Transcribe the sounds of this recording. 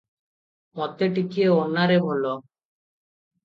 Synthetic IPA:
mɔt̪eʈikieonːaɾeɦolɔ

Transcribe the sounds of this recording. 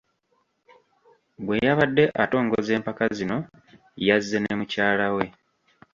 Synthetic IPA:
ɡwe̞jaβadːe̞ʔato̞ːŋɡoze̞ːmpakazino̞ | jazːe̞nemucaːlawe̞

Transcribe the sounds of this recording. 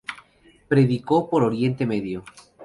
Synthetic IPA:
pɾe̞ðikopoɾoɾje̞nt̪e̞meðjo

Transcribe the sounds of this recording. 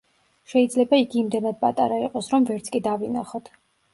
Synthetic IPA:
ʃɛid̪zlɛbaiɡiːmd̪ɛnad̪̚pʼat̪ʼaɾaiqʼɔsɾɔmvɛɾt̪sʰkʼid̪avinaχɔt̪ʰ

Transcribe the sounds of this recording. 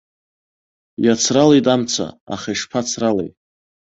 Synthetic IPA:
jat͡sʰralejtʼamt͡sʰa̰a̰χajʂpʰat͡sʰralḛjtʼ

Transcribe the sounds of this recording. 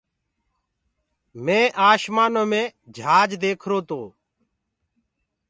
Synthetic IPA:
mẽːʔaːʃmaːnõːmẽːd͡ʒʱaːd͡ʒd̪eːkʰɾoːt̪oː

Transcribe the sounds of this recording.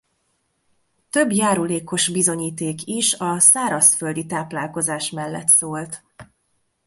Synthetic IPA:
t̪øbjaːɾuleːko̞ʃbizo̞ɲiːt̪eːkiʃɒsaːɾɒsføld̪it̪aːplaːlko̞zaːʃmɛlːɛ̰t̪soːlt̪

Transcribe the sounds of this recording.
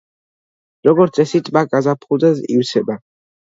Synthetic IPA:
ɾɔɡɔɾt̪sʼɛsit̪ʼbakʼazapʰχud̪azḭwsʰɛba

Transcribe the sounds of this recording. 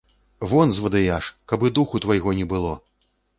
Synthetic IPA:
vɔnzvɐd̪ɨjaʂkɐbɨd̪uxut̪vɐjɣɔnʲɛbɨlˠɔ

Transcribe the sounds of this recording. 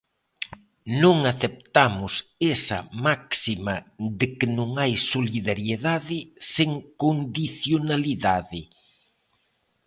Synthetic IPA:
nõŋaθep̚t̪amʊsesɐ̰maksimɐðɪkɪnõŋajsoliðaɾjeðaðɪseŋkond̪iθjonaliðaðɪ

